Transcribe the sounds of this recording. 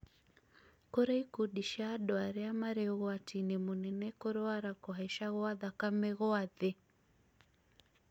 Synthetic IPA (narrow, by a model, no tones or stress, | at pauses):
kɔɾaikuɗiʃaɗɔaɾɛamaɾɛɣɔatinimunɛnɛkɔɾɔaɾakɔɦaiʃaɣɔaðakamɛɣɔaðɛ